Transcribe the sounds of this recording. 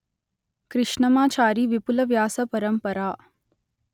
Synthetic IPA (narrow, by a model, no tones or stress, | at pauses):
kɾɪʂɳɐmaːt͡ʃaːɾiːʋipulɐʋjaːsɐpɐɾəmpɐɾaː